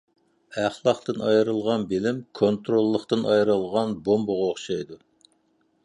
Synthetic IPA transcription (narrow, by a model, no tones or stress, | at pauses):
æχlˠɑqt̪ɨnɑjɾɨlˠʁɑnbɪlɪmkʰont̪ɾolˠːəχt̪ɨnɑjɾɨlˠʁɑnbombʊʁɑoχʃɑjd̪u